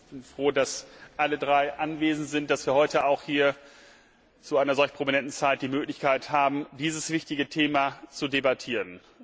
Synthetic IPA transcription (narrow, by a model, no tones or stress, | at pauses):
b̥ɪnfʁ̥oːdasʔalədʁaɪʔanveːzn̩tz̥ɪnt̚d̥asv̥iːɐhɔʏtəaʊxhiːɐ | t͡suaɪnɐzɔlçpʁ̥ominɛntn̩t͡saɪt̚d̥iːmøːklɪçkaɪthaːbm̩diːzəsv̥ɪçtɪɡətʰeːmat͡sudebatʰiːʁən